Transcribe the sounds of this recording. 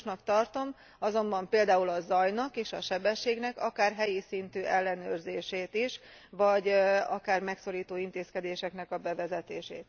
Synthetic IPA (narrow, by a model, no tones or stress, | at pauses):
ʃnɒkt̪ɒrt̪o̞m | ɒzo̞mbɒmpeːld̪aːulɒzɒjnɒkeːʃɒʃɛbɛʃːeːɡnɛkɒkaːrɦɛjisint̪yːʔɛlːɛnøːrzeːʃeːt̪iʃ | ʋɒɟɒkaːrmɛkso̞ɾiːt̪oːint̪eːskɛd̪eːʃɛknɛkɒbɛvɛzɛt̪eːʃḛːt̪